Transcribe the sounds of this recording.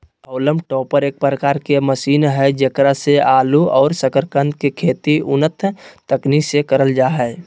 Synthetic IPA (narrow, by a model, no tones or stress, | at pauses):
əʊləmʈɔːpəɾeːk̚pɾəkaːɾkeməsiːnɦɛd͡ʒekɾaseʔaːluɔːɾsəkəɾkə̃nd̪kekʰeːt̪iʊnət̪ʰt̪əknisekəɾəld͡ʒaːɦɛ